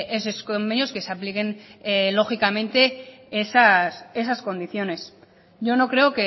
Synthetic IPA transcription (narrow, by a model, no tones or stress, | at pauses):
eseskombe̞njo̞ske̞saplike̞nlo̞xikamẽ̞nt̪e̞ | esase̞sasko̞nd̪iθjo̞ne̞s | ʝo̞no̞kɾe̞oke